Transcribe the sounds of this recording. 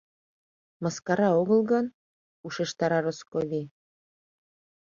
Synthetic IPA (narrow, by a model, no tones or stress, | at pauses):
mɑskɑɾɑoɣɤ̆lˠɣɤn | uʃeʃt̪ɑɾɑɾoskoβʲi